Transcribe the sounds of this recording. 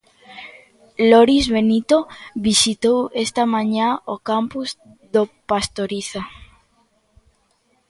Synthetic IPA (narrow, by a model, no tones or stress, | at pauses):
loɾizβenit̪oβisit̪owest̪amãɲaokampuz | ðopast̪oɾiθa